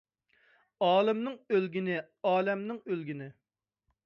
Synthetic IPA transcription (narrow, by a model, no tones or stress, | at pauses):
ɑːlˠɨmnɪŋølɡʲinɪ | ɑːlɛmnɪŋølɡʲinɪ